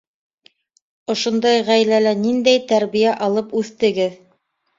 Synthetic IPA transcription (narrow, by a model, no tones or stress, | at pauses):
ŏʃŏnd̪ɑjʁæjlælænind̪æjt̪æɾβijæʔɑlˠɤpʉθt̪ɘ̆ɡɘð